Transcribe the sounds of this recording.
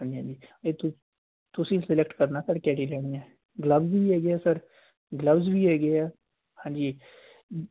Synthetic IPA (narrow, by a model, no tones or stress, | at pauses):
əniãːd̪iːeːt̪ʊ | t̪ʊsĩːsɪlɛkʈkəɾnaːsəɾkɛːʈilɛːɽijãː | ɡləbzbiːɦɛːɡɪaːsəɾ | ɡləbzbiːɦɛːɡɪaː | hãːd͡ʒiː